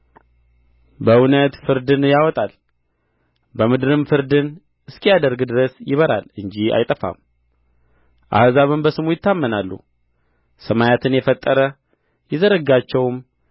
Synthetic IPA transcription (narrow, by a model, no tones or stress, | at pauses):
bəunət̪fɨɾd̪ɨnjawɔt̪ʼal | bəmɨd̪ɨɾɨmfɨɾd̪ɨn | ɨskʰijad̪əɾɡd̪ɨɾəsjɪβəɾa̰lɨɲd͡ʒia̰jt̪ʼəfa̰m | ʔa̰hzaβɨmbəsɨmujɪt̪ʰːamːənalːṵ | səmajat̪ʰɨnjɛfət̪ʼːəɾə | jɛzəɾəɡat͡ʃːɛwm